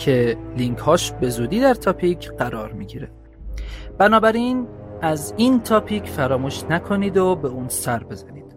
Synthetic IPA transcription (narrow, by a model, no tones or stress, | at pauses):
cʰe̞liŋkʰhɒːʃbe̞zuːd̪iːd̪æɾt̪ʰɒːpʰicʰɢæɾɒːɾmiɟiːɾe | b̥ænɒːbæɾin | æziːnt̪ʰɒːpʰicʰfæɾɒːmuːʃnækʰo̞niːd̪obe̞uːnsæɾbe̞zæniːd̪̥